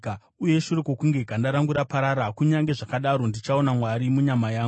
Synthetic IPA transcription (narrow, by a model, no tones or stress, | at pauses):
uje̞ʃureko̞kuŋɡe̞ɡʱandaɾaŋɡuɾapaɾaɾakuɲaŋɡe̞ʐakaɗaɾo̞ndit͡ʃaonamwaɾimuɲamajaːŋ